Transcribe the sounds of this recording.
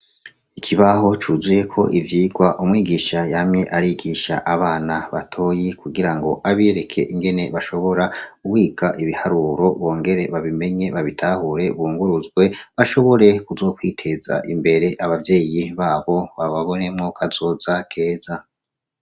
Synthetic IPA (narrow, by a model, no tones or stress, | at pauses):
ikʰiβaɦo̞t͡ʃuːzije̞kʰo̞ʔivjiːɡwaʔumŋiːɡiːʃajamɲe̞ʔaɾiɡiʃa̰ʔaβaːnaβa̰tʰo̞jikuɡiɾaŋɡo̞ʔaβieɾe̞kʰe̞̰ʔiŋɡe̞ne̞βaʃo̞βo̞ɾauwiːɡaʔiβihaɾuːɾo̞βo̞ːŋɡe̞ɾe̞βaβime̞ɲe̞βaβitʰahuɾe̞βuːŋɡuɾuzɡwe̞βaʃo̞βo̞ɾe̞kuzo̞ːkwiːtʰe̞za̰ʔimbe̞ɾe̞ʔaβavje̞ːjiβaːβo̞βaβaβo̞ne̞mŋo̞kʰazo̞ːzakʰe̞ːza